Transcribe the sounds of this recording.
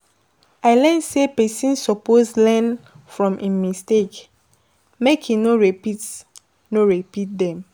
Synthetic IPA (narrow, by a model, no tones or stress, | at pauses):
aɪlɛ̃nsepɛsĩnsɔposlɛ̃n | fɹɔ̃mʔĩmistek | mekĩnoɹɛpit | noɹɛpit̚dɛ̃m